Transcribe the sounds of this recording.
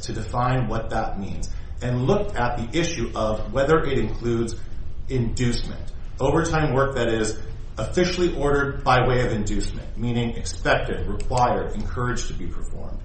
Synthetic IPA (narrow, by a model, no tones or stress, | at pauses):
tʰɨdɨfãɪ̃nwʌt̪̚ðət̚mĩnz | ɨ̃nlʊkɨt̪̚ðiʔɪʃʉʔʌvwɛðə˞ʔɪɾɨ̃nkʰl̥ʉdzɪ̃ndʉsmɨ̰̃nt | oʊvə˞tʰãɪ̃mwɜ˞k̚ðɨɾɪz | əfɪʃl̩ˠiʔɔɹɾə˞d̚baɪweɪʌvɨ̃ndʉsmɨ̰̃nmĩnɪ̃ŋɨkspɛk̚tɨd̚ɹɨkʰw̥aɪə˞ɾɨ̰̃nkʰɜ˞ɨd̥d͡ʒ̥tʰɨbipʰə̥˞fɔ̰ɹmd̥